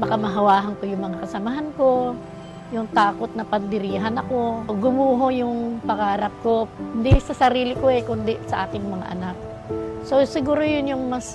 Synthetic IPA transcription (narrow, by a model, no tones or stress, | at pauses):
bɐkamɐɦɐwaːɦɐnkojʊŋmɐŋakɐsɐmɐɦanko̞ | jʊŋt̪aːkot̪̚nɐpɐnd̪ɪɾiːɦɐnɐko̞ɡʊmuːɦojʊŋpɐɡaːɾɐp̚ko̞hʊnd̪isɐsɐɾiːlɪkoʔɛkʊnd̪ɪsɐʔaːkɪŋmɐŋa̰ʔɐ̰nak̚ | sosɪɡuːɾojʊnjʊŋmɐs